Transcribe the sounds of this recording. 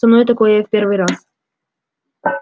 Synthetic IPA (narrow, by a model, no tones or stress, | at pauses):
ɐmnojt̪ɐkojɛfʲpʲervɨjɾas